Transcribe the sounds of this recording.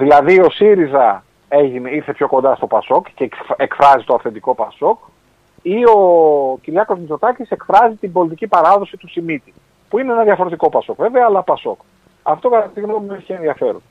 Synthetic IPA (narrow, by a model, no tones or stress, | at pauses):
ðilɐðio̞siɾizɐ | e̞ʝineiɾθe̞pço̞ko̞nd̪ɐst̪o̞pɐso̞kcekekfɾɐzit̪o̞ɐfθe̞nd̪iko̞pɐso̞k | io̞ciɾʝɐko̞zmizo̞t̪ɐcise̞kfɾɐzit̪imbo̞lit̪icipɐɾɐðo̞sit̪usimit̪i | puineenɐðjɐfo̞ɾe̞t̪iko̞pɐso̞kve̞veɐːlɐpɐso̞k | ɐft̪o̞kɐt̪ɐst̪iɣnomueçienðiɐfe̞ɾun